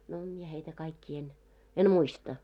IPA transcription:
no mie heitæ kɑikːiː en en muistɑ

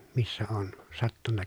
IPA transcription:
misːæ oːn sɑtːunːɑ

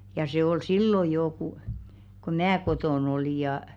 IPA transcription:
jɑ se ol silːo joː ku ko mæː kotoˑn oliˑ jɑˑ

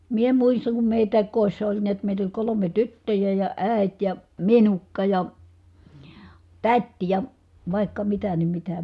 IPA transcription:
mie muisːɑŋ kum meˑitæˑik koˑisːɑ olʲ niæt meˑit olʲ kolome tytːøjæ jɑ æˑi̯t jɑ minukːɑ jɑ tætʲ jɑ ʋɑˑi̯kːɑ mitæ ni mitæ

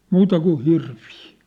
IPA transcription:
muːtɑ ku hirʋiː

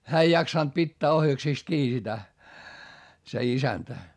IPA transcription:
hæː ei jɑksɑnt pitːæː ohjɑksiˑst kiː sitæ se isæntæ

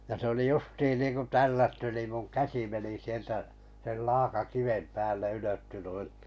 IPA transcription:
jɑ se oli justiːn niːŋku tælːætːy niˑm muŋ kæsi meni sieltæ sel lɑːkɑkiʋem pæːlˑe yløtːy nui

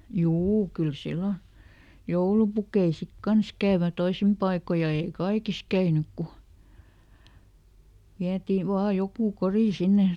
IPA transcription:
juː kyl silːo joulupukei sik kɑns kæːʋø toisim pɑiko jɑ eˑi kɑikis kæynyk ku ʋiætiː ʋɑː jokuˑ koriˑ sinːe

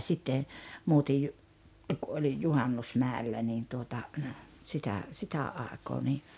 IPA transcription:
sitːe muːtij jo ku olij juhɑnːusmæˑelːæ niːn tuotɑ sitæ sitæ ʔɑˑekoː ni

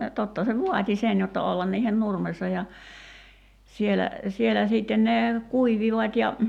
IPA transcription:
totːɑ se ʋuɑtʲi sen jotːɑ olːɑn niːhen nurmesːɑ jɑ sielæ sielæ siːtːen ne kuiʋiʋɑtʲ jɑ

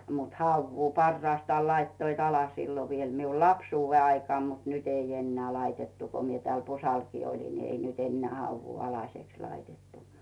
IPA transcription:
mut hɑuʋːuː pɑrːɑːstɑːl lɑitːoit ɑlɑ silːo ʋiel miu lɑpsuːʋːe ɑikŏɑˑm mut nyt ei enːeæ lɑitetːu ko mie tĕæl pusɑlkiː olʲin ni ei nyt enːeæ hɑuʋːuː ɑlɑseks lɑitetːu

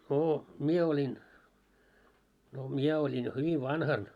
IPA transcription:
noː mie olʲin no miɛ olʲin jo hyʋi ʋɑnhɑn

